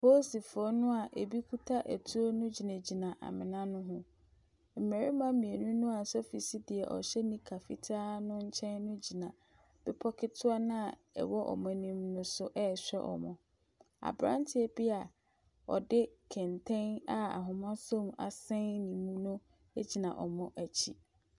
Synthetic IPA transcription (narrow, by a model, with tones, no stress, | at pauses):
pʰo˦si˨fɔ˦nʊ̃˦a˨ʔe˨bi˦kʰu˦tʰa˦ʔæ˨tʰu˦o˦nʊ̃˦d͡ʑi˨næ̃˨d͡ʑi˨nã˨ʔa̰˨mɪ̰̃˨nã˦nʊ̃˦ɦʊ̃˦ | m̩˨mæ˨ɾi˦mã˦mĩ˨e˨nũ˦nũ˦a˨sɔ˦fi˨si˦dɪ˨ɛ˨ʔɔ̰˨ɕɛ˦nĩ˦kʰa˨fḭ˨tʰaː˦nʊ̃˦ɲ̩˦t͡ɕʰɛ̃˦nnʊ̃˦d͡ʑi˨nã˨ | b̥ɪ˦pʰɔ˦kʰɪ˦tʰʊ˦a˦nã˦˨ | ɛ̰˨wɔ˦ʔɔ̰˨mɔ̃˦nĩ˦mnʊ̃˦sʊ˦ʔɛ˦˨ɕᶣɛ˦ʔɔ̰˨mɔ̰̃˨ | a̰˨bɾã̰˦ntʰɪ˦ɛ˦bɪ˦a˨ | ɔ̰˨dɪ˦kʰɛ̃˨ntʰɛ̃˦na˨a̰˨ɦʊ̃˨mã˦sɔ̃˦ma̰˨sɛ̃˦nnĩ˨mũ˦nʊ̃˦ | e˦d͡ʑi˨nã˨ʔɔ˨mɔ̃˦ʔæ˨t͡ɕʰḭ˦